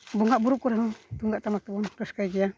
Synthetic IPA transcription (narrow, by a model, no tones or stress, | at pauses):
bɔŋɡaʔbuɾuʔkuɾɛhɔt̪uŋɡaʔt̪amak̚t̪ubɔnɾɔskajɡia